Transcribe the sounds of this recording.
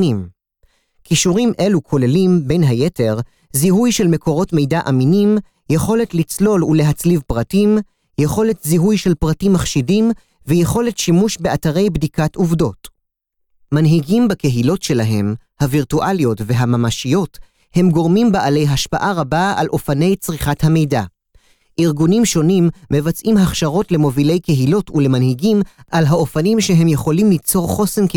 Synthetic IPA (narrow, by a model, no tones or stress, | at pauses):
im | kiʃuʁimʔe̞lukʰo̞le̞limbe̞jnɦajete̞ʁ | ziɦujʃelme̞ko̞ʁo̞tme̞jdaʔaminim | jeχo̞le̞tlit͡slo̞luleɦat͡slivpʁatim | jeχo̞le̞tziɦujʃe̞lpʁatimːaχʃidim | vejeχo̞le̞tʃimuʃbeataʁe̞jbdikatuvdo̞t | manɦiɡimbake̞ɦilo̞tʃe̞laɦe̞̰mhaviʁtuʔaljo̞tve̞ɦamamaʃijo̞t | he̞mɡo̞ʁmimbaʔale̞jɦaʃpaʔaʁabaa̰lʔo̞fane̞jt͡sʁiχathame̞jda | ʔiʁɡunimʃo̞nimːe̞vat͡sʔimɦaχʃaʁo̞tle̞mo̞vile̞jke̞ɦilo̞tule̞manhiɡimʔalɦao̞fanimʃe̞ɦe̞mjeχo̞limlit͡so̞ʁχo̞se̞nk